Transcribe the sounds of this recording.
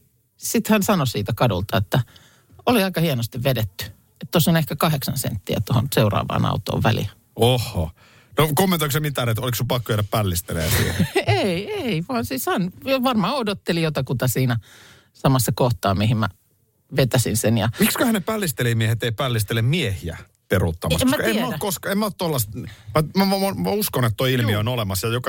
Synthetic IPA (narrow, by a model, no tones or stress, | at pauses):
sit̪hænsɑnosiːt̪ækɑdṵlt̪ɑet̪ːæ | oliɑikɑhienost̪iʋʋedet̪ːy̥ | et̪t̪osːonehkækɑheksɑnsḛnt̪ːiæ̰t̪oho̰nseurɑ̰ːʋɑ̰ːnɑ̰ut̪o̰ːʋʋælḭl | ohːo | nokomːent̪oiksemit̪ːæːnet̪oliksypɑkːojæːɾæppælːist̪eleæsḭːheieiʋɑːnsisɑnoʋɑrmɑːodot̪ːelijot̪ɑkut̪ɑsiːnæ | sɑmɑsːɑkoht̪ɑːmihimmæ̰ | ʋet̪æsinsenjɑmikskøhæneppælːist̪elimiehet̪eipælːist̪elːemmiehiæ̰ | perut̪ːɑmɑsemmæemːæokoskɑemːæot̪t̪ːolːɑst̪mæmæomæuskonet̪t̪oiilmionolemɑsjɑjokɑ